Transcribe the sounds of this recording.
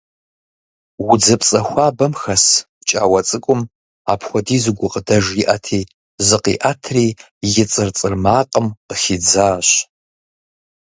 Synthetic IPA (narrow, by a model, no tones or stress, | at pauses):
wʊd͡zɐpt͡sʼɐxʷɑːbɐmxɐs | t͡ʃʼa̰ːwɐt͡sʼɨkʷʼʊm | a̰ːpʰxʷɔdiːzɨɡʷʊqədɐʒjiʔɐtʰeː | zɨqḭːʔatʰriː | jɪt͡sʼɨrt͡sʼɨrmaːqʼəmqəxid͡zaːɕ